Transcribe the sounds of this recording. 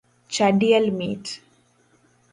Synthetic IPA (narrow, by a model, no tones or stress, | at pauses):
t͡ʃɐɖiɐlmḭːʈ